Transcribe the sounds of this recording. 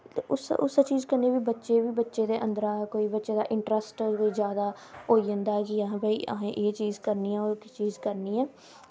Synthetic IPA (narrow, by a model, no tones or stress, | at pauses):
ʊsʊst͡ʃiːzkəɾniːbiːbətːʃeːbiːbətːʃeːd̪eːʔə̃nd̪əɾaːɛkoːiːbətːʃeːd̪aːʔɪɳʈɾəsʈkoːiːzjaːd̪aː | oːiːə̃nd̪aːɛːkɪəɦãːbaiːʔə̰ɦẽːʔeːt͡ʃiːzkəɾniːɛ̃ːoːɾkɪt͡ʃiːzkəɾniːɛː